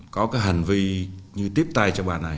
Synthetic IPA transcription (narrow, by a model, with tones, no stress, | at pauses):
kɔ˨˦kaː˨˦jɦa˨˩ŋ̟vi˧ɲɨ˧t̪i˦˥əp̚t̪a˧jt͡ɕɔ˧ɓa̰ː˧˨˩na˨˩j